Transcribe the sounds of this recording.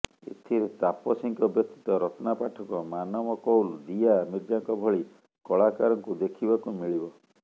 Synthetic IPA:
ḛt̪ʰiɾet̪apɔsiŋkɔbjɔk̚t̪i̥t̪ɔɾɔtɔnapaʈʰɔkɔmanɔmɔkɔwld̪ijamiɾd͡ʒaŋkɔbʱɔɭi | kɔɭakaɾɔŋkud̪ekʰibakumiɭibɔ

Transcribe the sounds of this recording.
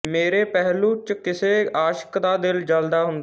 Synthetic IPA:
meːɾeːpɛɦluːt͡ʃkɪseːaːʃə̥kd̪aːd̪ɪld͡ʒəld̪aːɦʊnd̪a

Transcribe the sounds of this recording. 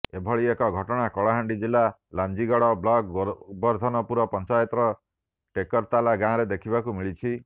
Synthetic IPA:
ebʱɔɭiekɔɡʱɔʈɔɽ̃akɔɭaɦaɳɖid͡ʒila | land͡ʒiɡɔɽɔblɔɡ̚bɔɾd̪ʱɔnɔpuɾɔpɔnt͡ʃajɔt̪ɾɔ | ʈekɔɾt̪alaɡãɾed̪ekʰibakumiɭit͡ʃʰi

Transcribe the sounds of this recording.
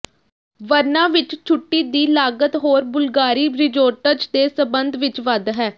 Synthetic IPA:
ʋəɾnãːʋɪt͡ʃt͡ʃʰʊʈːiːd̪iːlaːɡət̪ɦoːɾbʊlɡaːɾiːbɾɪd͡ʒoːʈəd͡ʒd̪eːsəbənd̪ʋɪt͡ʃʋəd̪ɦɛː

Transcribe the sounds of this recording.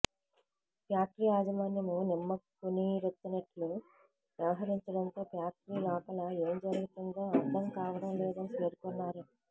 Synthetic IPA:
pjaːk̚ɾiaːd͡ʒɐmaːnjɐmunimːɐkuniɾet̪ːunɐʈlu | ʋjɐʋɐɦɐɾiɲt͡ʃɐɽɐnt̪o̞ːpjaːk̚ɾiːlɔːpɐlɐe̞ːmd͡ʒɐɾuɡit̪uŋɡ̪aːɐɾd̪ʱɐmkaːʋɐɽɐmleːd̪ɐniʋeːɾkunːaːɾu

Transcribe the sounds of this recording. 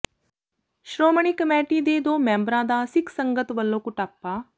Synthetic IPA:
ʃɾoːməɳikəmɛːʈiːd̪eːd̪oːmɛ̃ːmbɾãːd̪aːsɪkʰsəŋɡət̪ʋəlːõːkʊʈaːpːaː

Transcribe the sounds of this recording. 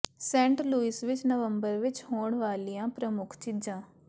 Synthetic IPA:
sɛ̃ːɳʈluːisʋɪt͡ʃnəʋəmbəɾʋɪt͡ʃhoːɳʋaːlijãːpɾəmʊkʰt͡ʃɪd͡ʒãː

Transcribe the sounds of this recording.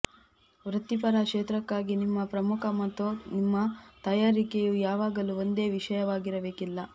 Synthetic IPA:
ʋɾɐt̪ːipɐɾakʂeːt̪ɾɐkːaːɡinimːɐpɾɐmukʰɐmɐt̪ːunimːɐt̪ɐjaːɾikejuːjaːʋaːɡɐluond̪e̞ːʋiʂɐjɐʋaːɡiɾɐbe̞ːkilːɐ

